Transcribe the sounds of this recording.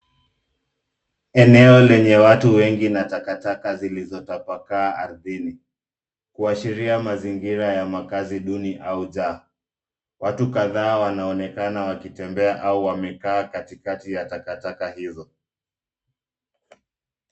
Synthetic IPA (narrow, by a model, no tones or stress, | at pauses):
ɛnɛɔlɛɲɛwatuwɛŋɡinatakatakazilizɔtapakaːʔaɾðini | kuaʃiɾiamaziŋɡiɾajamakaziɗuniʔauʄa | watukaðaːwanaɔnɛkanawakitɛmbɛaʔauwamɛkaːkatikatijatakatakahizɔ